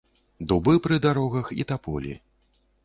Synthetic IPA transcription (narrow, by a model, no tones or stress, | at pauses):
d̪ubɨpɾɨd̪aɾɔɣɐxḭt̪apɔ̰lʲḭ